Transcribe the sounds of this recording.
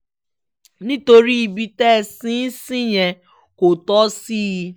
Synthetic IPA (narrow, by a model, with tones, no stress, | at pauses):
nĩ˦to˨ɾi˦i˨bi˦tɛ˦˨sĩ˦si˦ɲe˨ | ko˨tɔ˦si˦